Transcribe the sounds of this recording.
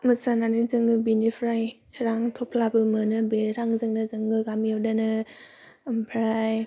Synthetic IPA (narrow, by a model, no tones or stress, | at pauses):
mɯsananɯzɯŋɡɯbinipʰɾaj | ɾaŋtʰɔpʰlabɯmɯnɯbeɾaŋzɯŋdazɯŋɡɯɡamiawdanɯ | mpʰɾaj